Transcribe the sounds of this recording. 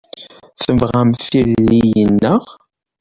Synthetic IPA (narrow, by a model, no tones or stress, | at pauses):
θəvʁæmθiɾlijənːəʁ